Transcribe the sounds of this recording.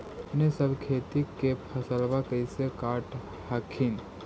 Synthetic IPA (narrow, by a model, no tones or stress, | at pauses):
nesəbkʰeːt̪ikːepʰɐsəlʋakəjsekaːʈ | hakʰin